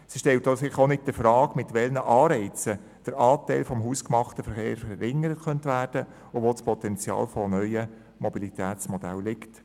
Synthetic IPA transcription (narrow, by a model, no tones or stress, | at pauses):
sɪʃtɛltosɪχonɪt̚d̥əfɾɑːkmɪtʋɛlnəʔɑːɾɛɪt͡sə | d̥əɾɑːtɛɪlfɔmɦuːskmɑχtəfəɾχeːɾfəɾɪŋːəɾətkœnt̪ʋæːrd̥ə | ʊʋoːspʰɔt̪ɛnt͡sjɑ̰ːlfɔnœʏə | mɔbilit̪ʰæːtt͡smɔd̥æ̰llɪkt